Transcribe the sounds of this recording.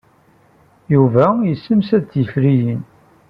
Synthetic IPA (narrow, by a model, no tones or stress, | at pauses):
juvæjəsːəmsæd̪t͡sːjəfɾijin